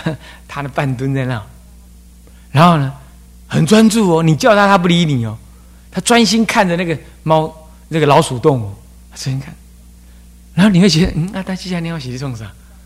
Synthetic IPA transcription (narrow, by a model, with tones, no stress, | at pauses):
t̪ʰa˦d̪ə˨pa˥˧˨nt̪wə˦nt͡sa˧na˥˩ŋ˨ | na˧˦nxo˥˩ʊnə˧ | hə˨˩nt͡swa˦nt͡su˥˨ɔ˨ni˨˩t͡ɕjɑ˥˧ʊt̪ʰa˥˦t̪ʰa˦˥p̬u˥˩li˧˦ni˨˩ɔ˨˦ | t̪ʰa˦t͡swa˦nɕi˦nkʰa˥˨ndə˨˩na˥˩ɡə˨ | ma˦ʊ | na˥˩ɡə˨lɑ˨˦ʊsu˨˩t̪ʊ˥˨ŋu˨˩ | a˦˩a˥˦nɕi˦nkʰa˥˨n | na˨˧nxo˥˩˨ni˨we˥˩ɕ̬ɛ˧˥˧n̩˥˩a˧˩t̪ʰa˥t͡ɕi˥˧˩ɕja˧˨nĩ˨˦jo˥˩ɕ̬ɛ˨˧ɾi˧sʰwɔ˥˧ŋsa˨˩